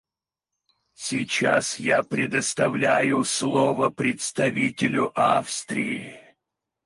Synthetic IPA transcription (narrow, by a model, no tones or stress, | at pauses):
sʲit͡ɕasjapɾʲɪd̪əst̪ɐvlʲæjʊslˠovəpɾʲɪt̪st̪ɐvʲitʲɪlʲʊʔafst̪ɾʲɪɪ